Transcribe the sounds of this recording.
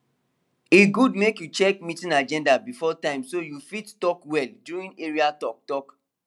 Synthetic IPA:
iɡudmekjut͡ʃɛkmitĩnad͡ʒɛ̃ndabifɔtãɪ̃msojufittɔkwɛldjuɹĩneɹiatɔk̚tɔk

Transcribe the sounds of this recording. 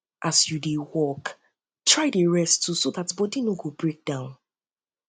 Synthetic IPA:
ʔasjudewɔk | tʰɹaɪdeɹɛstːusoðatbɔdinoɡobɹek̚d̥ãʊ̃n

